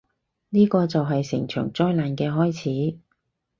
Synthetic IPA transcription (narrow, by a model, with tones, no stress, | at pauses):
niː˥kɔː˧t͡sɐ˨wɦɐ˨jsɪ˨˩ŋt͡ʃʰœ̰ː˨˩ŋt͡sɔː˧˥jlaː˨nkɛː˧ɦɔː˥jt͡sʰiː˨˥